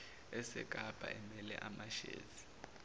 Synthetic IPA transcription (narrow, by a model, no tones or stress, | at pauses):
ɛsɛ̰kʼab̥ʱa̰ʔɛmɛlɛʔamaʃḛːzi̥